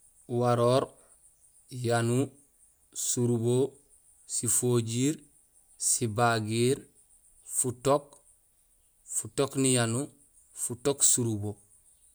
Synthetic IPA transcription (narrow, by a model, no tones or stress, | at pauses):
waɾoːɾ | janu | suɾubo | sifoːɟiːɾ | sibaɡiːɾ | futok̚ | futoknijanu | futoksuɾubo